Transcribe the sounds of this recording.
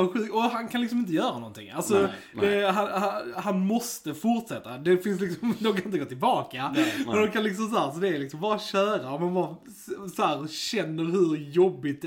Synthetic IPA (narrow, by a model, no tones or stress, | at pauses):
aɧʉ̟kt̪ɔɦankʰanlɪksɔmɪnt̪̬əjœːɾanɔ̰nt̪ʰɪ̰ŋːalsɔ | d̪ɛɦanhahanmɔst̪əfʊɾʈʂɛt̪ːad̪ɛfɪns̬lɪksɔmd̪ɔmkanjɪt̪əɡoːt̪ʰɪlbɑːkamɛnd̪ɔkʰanlɪks̬ɔms̬ahæːɾs̬ɔd̪ɛːɾlɪksɔmbɑːɾaɕœːɾaɔmhanbɑːɾ | sɔhæːɾɕɛnːəɾhɵɾjɔbːɪt̪̚